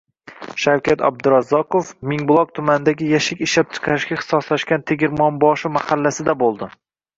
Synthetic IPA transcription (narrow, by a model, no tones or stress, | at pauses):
ʃawkʲat̪ʰa̰b̚d̪ʊɾɑzɒqofmɪŋbʊlˠɒq̚t̪ʰʊmanɪd̪aɡʲɪjaʃɪkʲɪʃlap̚t͡ʃʰɨ̥qʰɑɾɪʃkʲaχɨ̥sɒslaʃkʲant̪ʰeɡʲɪɾmɒnbɒʃɪmahalːasɪd̪abolˠd̪ɪ